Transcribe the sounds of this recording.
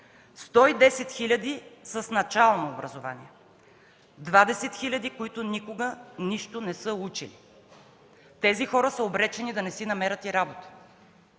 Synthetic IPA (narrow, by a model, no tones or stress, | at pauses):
st̪ɔid̪ɛsɛt̪xilʲɐd̪isəsnɐt͡ʃalˠnoːbɾɐzova̰nḭɛ | d̪vad̪ɛsɛt̪xilʲɐd̪ikoit̪ʊnikoɡəniʃt̪ʊnɛsɤut͡ʃili | t̪ɛzixɔɾəsəobɾɛt͡ʃɛnid̪ɐnɛsinɐmɛɾət̪iɾabot̪ə̥